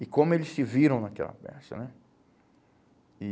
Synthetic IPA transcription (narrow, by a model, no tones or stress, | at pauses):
ɪkõmʊelɪssɪviɾɐ̃w̃nɐkɛ̰lɐ̰pɛ̰sɐ̰nɛ | ɪ